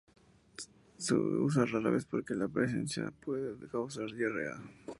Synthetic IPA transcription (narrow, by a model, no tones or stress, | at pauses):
sḛus̬araɾa̰βespo̞ɾkelapɾes̬e̞̰nsja̰pweðekawsaɾðerḛa̰